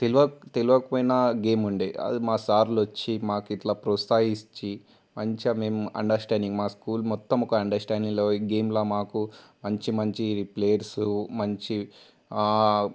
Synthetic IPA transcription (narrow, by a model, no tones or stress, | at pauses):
t̪eluʋɐt̪eluʋɐkɐpɐjnaɡe̞ːmuɳɖeːʔɐ̰d̪imaːsaːɾlɐt͡ʃːimaːkiʈ̪laːpɾoːst̪aːjit͡ʃːi | mɐɲt͡ʃɐme̞ːmɐ̰ɳɖɐɾsʈaːɳɖiŋɡmaːskuːlmɔt̪ːɐmɔkɐɐɳɖɐɾsʈaːɳɖiŋɡloːiɡe̞ːmlaːmaːkumɐɲt͡ʃimɐɲt͡ʃiɾipleːjɐɾsumɐɲt͡ʃi